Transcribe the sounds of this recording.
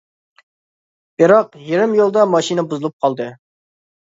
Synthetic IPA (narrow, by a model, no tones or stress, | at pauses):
b̥ɪɾɑqjeɾɪmjolˠd̪ɑmɑʃinəbuzɨlˠup̚qʰɑlˠd̪ɨ